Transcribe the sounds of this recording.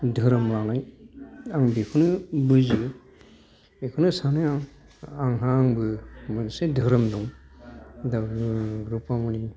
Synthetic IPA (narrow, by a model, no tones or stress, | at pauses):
dʱɯɾɯmlanaj | aŋbekʰɯnɯbɯzɯ | bekʰɯnɯsanɯaŋ | aŋɦaːŋbɯmɯnsedʱɯɾɯmduŋ | daɡɾupamuni